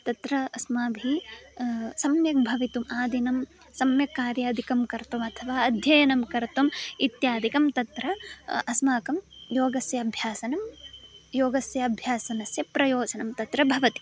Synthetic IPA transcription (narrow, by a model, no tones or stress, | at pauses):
t̪ɐt̪ɾɐɐsmaːbʱi | sɐmjɐk̚bʱɐʋit̪umaːd̪inɐm | sɐmjɐkaːɾjaːd̪ʱikɐmkɐɾt̪ɐmɐt̪ʰɐʋaːɐd̪ʱjɐjɐnɐmkɐɾt̪ɐmit̪jaːd̪ʱikɐmt̪ɐt̪ɾɐʔɐsmaːkɐmjoːɡɐsjɐːbʱjaːsɐnɐmjoːɡɐsjɐɐbʱjaːsɐnɐsjɐpɾɐjoːd͡ʒɐnɐmt̪ɐt̪ɾɐbʱɐʋɐt̪i̥